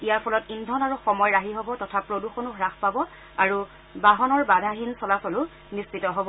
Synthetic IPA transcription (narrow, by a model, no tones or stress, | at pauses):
ijaɹpʰɔlɔtindʱɔnaɹuxɔmɔjɹaɦiɦɔbɔtɔtʰapɹoduxonuɦɹaxpabɔ | aɹu | baɦɔnɔɹbadʱaɦinsɔlasɔlʊ | nispitɔɦɔbɔ